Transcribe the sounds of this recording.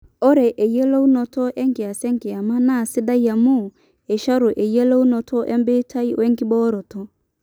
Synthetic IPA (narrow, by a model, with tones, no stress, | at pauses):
o˦ɾɛ˨ʔe˨je˦lo˦u˦nɔ˨tɔ˦ʔɛ˦ŋkɪ˨a˨sɛ˦ŋkɪ˨a˨ma˦na˦˨sɪ˦da˦ja˨mu˦ | e˨ʃa˦ɾo˨ʔe˨je˦lo˦u˦nɔ˨tʰɔ˦ʔɛ̰˦mbɪ˦tʰa˦i˦wɛ˦ŋkɪ˦bɔ˦ɾɔ˨tɔ˦